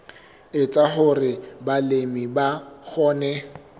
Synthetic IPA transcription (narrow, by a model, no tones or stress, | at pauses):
ɪt͡sʼaχʊrɪbalemibak͡xʰɔːnɛ